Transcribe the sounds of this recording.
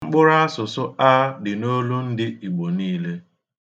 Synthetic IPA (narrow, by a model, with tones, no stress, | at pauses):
ŋ͡m̩˦k͡pʊ˦ɾa˦a˦sʊ˨sʊ˦a˦dɪ˨no˦lu˦n̩˦dɪ˦i˨ɡ͡bo˨niː˦le˦